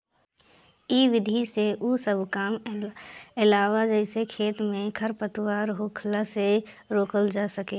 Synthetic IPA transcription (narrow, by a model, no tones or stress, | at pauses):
iʋɪd̪ʱiseʔusəbʱkaːm | ɪlaːʋad͡ʒɛɪsekʰeːt̪mẽkʰəɾpət̪waːɾɦoːkʰlase | ɾoːkəld͡ʒaːsəkeː